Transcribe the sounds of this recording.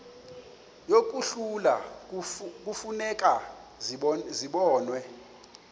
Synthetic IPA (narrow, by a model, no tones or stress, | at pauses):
jok̬ʼuɬula̰ | k̬ʼufunɛkʼa | ziɓɔːnwɛ